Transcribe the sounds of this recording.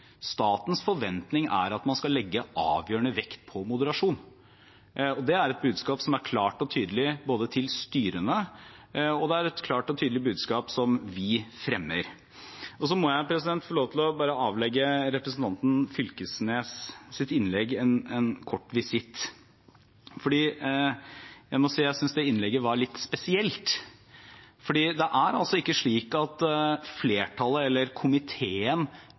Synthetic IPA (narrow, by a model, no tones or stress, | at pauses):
st̪ɑːt̪n̩sfɔɾʋɛnt̪nɪŋæ̰ɾɑt̪mɑnskɑlːɛɡːəʔɑ̰ːʋjøːəɳəʋɛkt̪pʰɔmʊd̪əɾɑʂuːn | ɔd̪ɛæɾɛt̪̚bʉːd̪skɑːpsɔmæɾkʰlɑːʈɔt̪ʰyːd̪əlɪboːd̪ət̪ʰɪlst̪yːɾənə | ɔd̪ɛæɾɛt̪kʰlɑːʈɔt̪ʰyːd̪əlɪbʉːd̪skɑːpsɔmʋɪfɾɛmːəɾ | ɔsɔmɔjæɪpʰɾɛsɪd̪ɛnt̪fɔɭoːʋət̪ʰɪlɔbɑːɾəɑːʋlɛɡːəɾɛpɾəsn̩t̪ʰɑnt̪n̩fʏlkəsneːssɪt̪ɪnlɛɡːɛnɛnkʰɔʈːʋɪsɪt̪ː | fɔɖiː | jæɪmɔsiːjæɪsʏnsd̪ɛɪnlɛɡəʋɑɾɭɪt̪ːspɛsɪɛlt̪ | fɔɖiːd̪ɛʔæɾɑlsɔɪkːəʂɭiːkɑt̪fleːʈʰɑləɛlːəɾkʰʊmɪt̪ʰeːən